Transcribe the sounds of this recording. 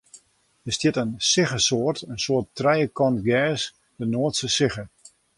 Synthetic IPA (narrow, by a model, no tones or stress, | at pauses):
dəstjɪtənsɪχəsoərtənsoətrɛjəkɔntɡɛːs | dənoətsəsɪχə